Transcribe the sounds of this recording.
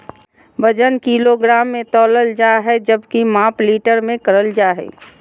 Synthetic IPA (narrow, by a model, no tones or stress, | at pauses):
bəd͡ʒənkiːloɡɾaːmːẽt̪ɔːləld͡ʒaːɦɛd͡ʒəbkimãːpliːʈəɾmẽkəɾəld͡ʒaːɦɛ̰ː